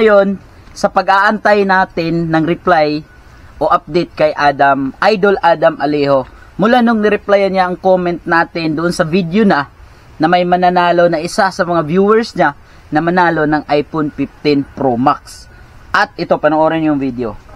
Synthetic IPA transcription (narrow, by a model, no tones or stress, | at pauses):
ɐjo̞n | sɐpɐɡaːʔɐnt̪ajnaːt̪ɪnːɐŋɾɪplaj | ʔo̞ʔap̚d̪ɛjt̪̚kɐjʔaːd̪ɐmʔajd̪o̞lʔaːd̪ɐmʔɐliːho̞ | mʊlanʊŋnɪɾɪplajɐnɲaʔɐŋkomɛnt̪̚naːt̪ɪnd̪ʊʔonsɐvid̪ɪona | nɐmɐjmɐnɐnaːlo̞nɐʔɪsasɐmɐŋavjuːwɛɹsɲa | nɐmɐnaːlo̞nɐŋʔajponfɪft̪ɪnpɾomak̚s | ʔɐt̪̚ʔɪt̪o̞pɐnoʔoːɾɛnjʊŋvid̪eo